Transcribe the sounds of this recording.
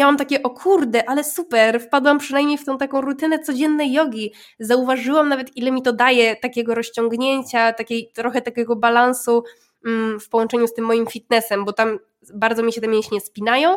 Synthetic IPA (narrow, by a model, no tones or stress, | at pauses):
mʲjawamt̪akʲɛʔɔkʰuɾd̪ɛʔalɛsupɛɾfpad̪wampʂɨnajmɲejft̪ɔ̃w̃t̪akɔ̃w̃ɾut̪ɘnɛt̪sɔd͡ʑɛnːɛjːɔɡʲi | zauvaʐɘwamnavɛt̪ʔilɛmʲit̪ɔd̪ajɛt̪akʲɛɡɔɾɔɕt͡ɕɔŋɡɲeɲt͡ɕat̪akʲejt̪ɾɔxɛt̪akʲɛɡɔbalansu | fpɔwɔnt͡ʂɛɲust̪ɘmːɔjimfʲit̪̚nɛsɛmbɔt̪am | baɾd̪zɔmʲiɕɛt̪ɛmʲjẽɕɲɛspʲinajɔ̃w̃